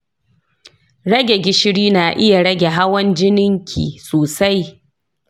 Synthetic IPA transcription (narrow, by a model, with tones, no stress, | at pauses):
ɽɐ˦ɡʲe˨ɡʲɪ˦ʃɪ˦ɽiː˦naː˨ʔɪ˦ja˨ɽɐ˦ɡʲe˨ɦa˦wɐ˦nd͡ʒɪ˦nɪ˦ŋkʲʰḭː˨soː˨sa˦j